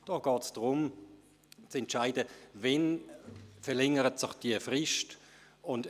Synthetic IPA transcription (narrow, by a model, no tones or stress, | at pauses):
d̥ɔːɡ̥ɑːtsd̥ʁʊm | t͡sɛntʃaɪdəvɛn | fɛʁlɛŋəʁətsɪχd̥iəfʁɪʃt | ʊnd